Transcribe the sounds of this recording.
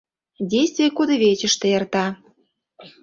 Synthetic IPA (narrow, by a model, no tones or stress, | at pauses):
dʲejst̪vʲijəkod̪əβʲet͡ɕə̆ʃt̪ĕərt̪ɑ